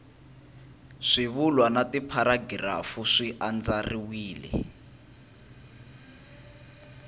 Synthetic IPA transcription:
ʂiβulwanatipʰaɾaɡira̰fuʂiʔand͡zariwiːlɛ̰

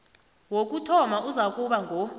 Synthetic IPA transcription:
wok̬ʼutʰɔmaʔuzak̬ʼuɓaŋʱo

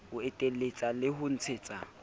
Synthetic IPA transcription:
ʊɛtʼelet͡sʼalɪɦʊn̩t͡sʰɪːt͡sʼa

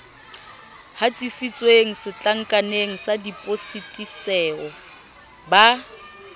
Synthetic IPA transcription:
hatʼisit͡sʼweŋ̩sɪt͡ɬʼaŋ̩kʼaneŋ̩sadipʼositʼisɛːɔ | ba

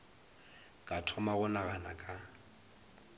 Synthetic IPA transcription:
kʼatʰɔmaɣʊnaɣanakʼa

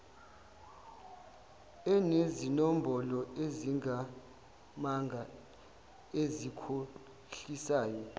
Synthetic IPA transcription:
ɛnezinom̩bʱɔlɔeziŋa | maŋʱa | ezikʰo | ɬisaːjɔ

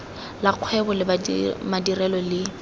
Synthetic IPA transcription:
laq͡χʰwɛbɔlɪmadirɛlɔlɪ

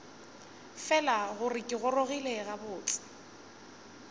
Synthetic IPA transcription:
fɛlaɣʊrɪkʼɪɣʊroɣileɣabʊːt͡ɬʼɪ̥

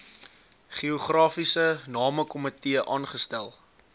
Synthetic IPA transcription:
χioχrɑːfisənɑːməkɔmətiəʔɑːnχəstælˠ

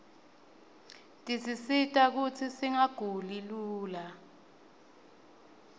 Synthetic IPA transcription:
tʼisisitʼak̬ut͡sʰisiŋaɡ̥ʱuliluːla

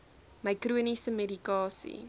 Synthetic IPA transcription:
mɐjkruənisəmedikɑːsḭ

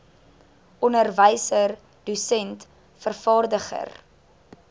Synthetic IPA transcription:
ʔɔnərvəjsər | dusɛnt | fərfɑːrdəχə̰r

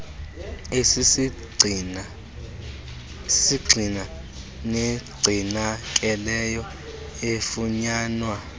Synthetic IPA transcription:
esisi | ssiɡ͡ǀʱina | neɡ͡ǀʱinakʼɛlɛjɔ | efuɲaːnwa

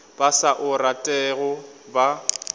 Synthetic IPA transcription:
b̥asaʔʊratʼɛɣɔba

